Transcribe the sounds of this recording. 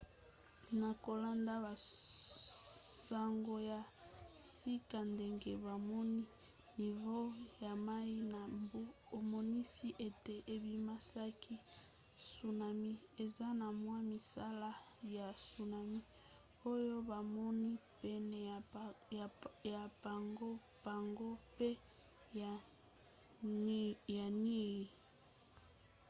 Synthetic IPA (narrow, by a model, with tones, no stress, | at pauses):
na˨ko˨la˦nda˦ba˨ | sa˨ŋɡo˨ja˨si˦ka˨nde˦ŋɡe˦βa˨mɔ˦ni˦ | ni˨vo˦ja˨ma˦i˦na˨mbu˦ | o˨mɔ˨ni˦si˦ʔe˨te˨ʔe˨bi˨ma˦sa˦kʰi˦ | su˨na˨mi˦ | e˨za˦na˨mwa˦mi˨sa˦la˦ | ja˨su˨na˨mi˦ | o˦jo˦ba˨mɔ˦ni˦pɛ˨nɛ˨ | ja˨ba˨ŋɡo˦ | ba˨ŋɡo˦pe˦˨ | ja˨ni˦ɣi˨